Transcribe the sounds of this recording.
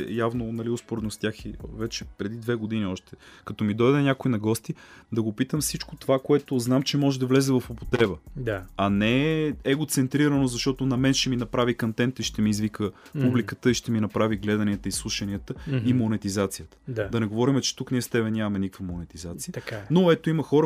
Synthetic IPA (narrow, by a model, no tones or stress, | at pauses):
javnonɐliʊspoɾɛd̪nost̪jaxivɛt͡ʃɛpɾɛd̪id̪vɛɡod̪iniɔʃt̪ɛkɐt̪ɔmid̪ɔjd̪ɛnʲakoinɐɡɔst̪id̪ɐɡopit̪əmfsit͡ʃkot̪ovakoɛt̪oznamt͡ʃɛmɔʒɛd̪ɐvlɛzɛvɐfopot̪ɾɛbəd̪aɐnɛɛɡot̪sɛnt̪ɾiɾənozɐʃt̪ɔt̪onɐmɛnʃt̪ɛminɐpɾavikɐnt̪ɛnt̪iʃt̪ɛmiːzvikə | publikət̪əiʃt̪ɛminɐpɾaviɡlɛd̪ɐniət̪əislˠuʃɐniət̪əimonɛt̪izat̪sijət̪ə̥d̪ad̪ɐnɛɡovɔɾimɛt͡ʃɛ̥t̪ukniɛst̪ɛbɛnʲamɐmɛnikə̥kvɐmonɛt̪izat̪sijəanoɛt̪oiməxɔɾə